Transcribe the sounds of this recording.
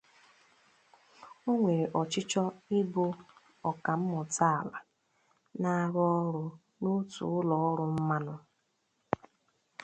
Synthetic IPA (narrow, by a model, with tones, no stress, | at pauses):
o˦ŋʷe˨ɾe˨ʔɔ˨t͡ʃɪ˦t͡ʃɔ˦i˦bo˦ | ɔ˨ka˨m̩˦mʊ˨tʰa˦˨la˨ | na˦a˦ɣɔ˦ɾʊ˦ | nu˦tṵ˨ʊ˦lɔ˨ɔ˦ɾʊ˦m̩˦ma˦nʊ˦